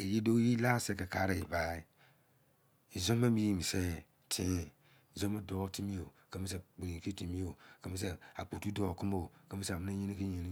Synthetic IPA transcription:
e˨ji˦do˦ji˦la˦˨sɛ˦ka˨ka˦ɾa˨ji˨va˨˦˨i˦ | i˨zo˦ma˦mbi˦ji˦mi˨se˦˨ | tʰĩ˨˦˨ | zo˦ma˦do˦ti˦mi˦o˨ | ka˨˦mi˦sa˨ɡ͡bu˨ɾĩ˨ki˦ti˨mi˦o˨ka˨mi˦sa˦˨a˨k͡po˨tu˦do˨kɨ˦mo˦˨ka˨˦mi˦sa˨mɨ˦na˦ɲe˦ni˦ki˦ɲe˦ni˦

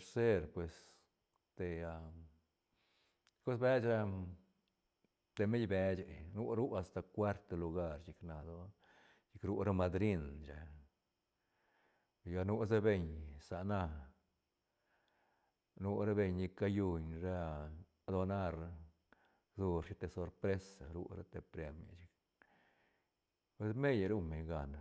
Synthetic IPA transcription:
ɾse˦ɾpwe˨s | t̪e˧a˧ | ko˦sbe˦t͡ʃɾa˦ | t̪e˧me˦jbe˦t͡ʃe˨nu˦ɾu˦a˧st̪a˧kwa˦ɾt̪e˧lu˧ɡa˦ɾt͡ʃi˧kna˨d̪o˦ | ji˧kɾu˦ɾa˦ma˧d̪ɾi˦nd͡ʒe˨ | ɡa˧nu˦s̬a˦be˧ɲsa˨na˧ | nu˧ɾa˦be˧ɲni˧ka˦ju˧ɲɾa˦ | d̪o˧na˦ɾ | zu˧ɾʃi˦t̪e˧˨so˧ɾpɾe˦sa˨ɾṵ˦ɾa˦t̪e˧pɾe˧mja̰˨t͡ʃi˧k | pwe˧sme˦jɾu˦me˨ɲɡa˨n˨

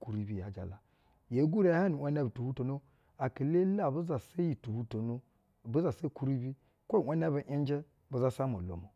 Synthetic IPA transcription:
ku˨ɾi˦bi˦˨ja˨d͡ʒa̰˨la˨ | je˨˦ɡu˦ɾe˨a˦ha˦nu˨a˦n˦a˦btu˨hu˦to˨no˦ | a˨ki˨le˦la˦˨bu˦za˨se˦ji˨tu˨hu˦to˨no˦ | bu˦za˨se˦ku˦ɾi˦bi˦ | kʷo˦˨wʷa˦n˦a˦ba˨ʔi˦n˦d͡ʒe˦ | bu˨za˦sa˦mo̰˨lo̰˨mo˨

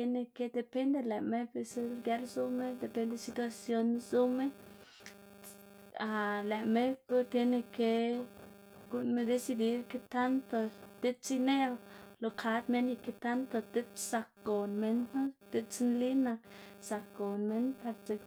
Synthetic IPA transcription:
e˧ne˧ke˦d̪e˧pe˦nd̪e˧le˨me˦be˧se˦lɡja˦lzu˦me˦d̪e˨pe˧˦nd̪e˧si˧t̪wa˧sjo˧nzu˦me˦ | a˨le˨me˦ku˦t̪e˧ne˧ke˧ | ɡ̥u˧nme˦d̪e˧si˧d̪i˧˦ɾke˦t̪a˦nt̪o˧t̪e˦t͡si˦ne˦wlo˨˧kʰa˧˦d̪me˦ni˧ke˧t̪a˦nt̪o˧t̪e˦sa˧ko˨nme˦na˦t̪e˦t͡snli˦na˧sa˨˧ko˨nme˦npa˧ɾt͡ʃe˧

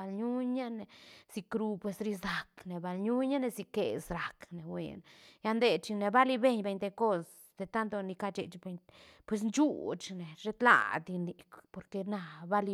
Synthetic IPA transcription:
a˧lɲu˦ɲa˦ne˨si˧kɾu˧pwe˧sɾi˧sa˨kne˨ba˨lɲu˦ɲa˦ne˧zi˧ke˨sɾa˨kne˨wḛ˨nja˧nd̪e˧t͡ʃi˧ne˨ba˦li˧be˧ɲbe˧jɲd̪e˧ko˦s | d̪e˨t̪a˦nt̪o˧ni˧ka˧t͡ʃe˨t͡ʃbe˧ɲ | pwe˧s̬nt͡ʃu˦t͡ʃne˨ʐe˦t̪la̰˨d̪i˧ni˧kpo˧ɾke˧na˧ba˦li˧

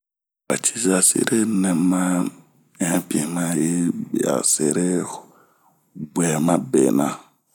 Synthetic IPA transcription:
a̰˨t͡ʃi˦za˨sḛ˦ɾe˦nɛ̃˨mːa˦ | ɛ̃˨˦pi˨e˨mã˦je˦be˨a̰˨se˦ɾe˦ | bʷɛ˨mã˦bɛː˨nã˨˦

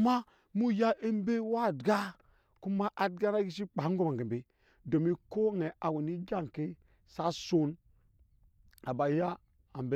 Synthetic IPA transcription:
ma˦ | mu˦ja˦ʔe˦m˦be˦wa˦˨dɡa˦ | ku˦ma˦ʔa˨dɡa˦na˦ɡi˦s̬i˦k͡pa˨˦ŋ˦ɡo˦ma˨ɡe˨be˨ | do˨mi˦ko˦ŋe˨ʔa˨we˨ni˦d͡ʒa˦˨ŋ˨ke˦ | sa˦so˦n | a˨ba˨˦ja˦ | a˨mbe˦

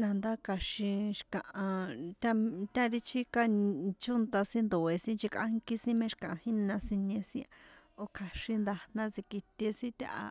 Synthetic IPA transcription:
nã˨nd̪a˦ka˨ʃĩ˧ʃi̥˧kã˨ʔã˧t̪ʲã˧t̪ʲã˦ɾi˦t͡ʃʰi˦ka˧t͡ʃu˦nt̪a˧sĩ˦nd̪o˨e˧sĩ˦nd͡ʒi˧ka̰˦ŋki˦sĩ˦mẽ˦ʃi̥˧kã˨ʔã˨˧hĩ˦nã˧sĩ˧ɲẽ˧sĩ˦a˧o˧kʰa˨ʃĩ˧nd̪a˧nã˧t͡si˧ki˧t̪ʲe˧sĩ˦t̪ʲa̰˧ʔa̰˧

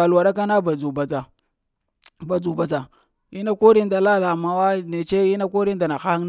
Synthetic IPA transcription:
a˨lwa˨ɗa˦k̬a˦na˦ba˨d͡zu˨ba˨t͡sa˨ | ba˨d͡zu˨ba˨t͡sa˨ | i˦na˦ko˦ɾi˦nda˨la˦la˨ma˨wa˦ne˨t͡ʃe˦i˦na˦ko˦ɾi˦n˦da˨na˨xa˦n

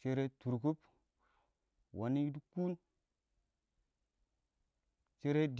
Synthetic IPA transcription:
t͡ʃe˦ɾe˦tu˨ɾku˦p | wa˨ni˦du˦ku˦n | t͡ʃe˦ɾe˦d

